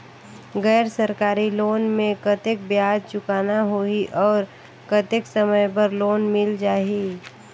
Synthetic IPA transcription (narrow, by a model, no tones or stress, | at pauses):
ɡɛːɾsəɾkaːɾiloːnmẽkət̪ek̚bjaːd̪̚t͡ʃʊkaːnaɦoiʔɔːɾ | kət̪ɪksəməjp̬əɾloːnmɪld͡ʒaːi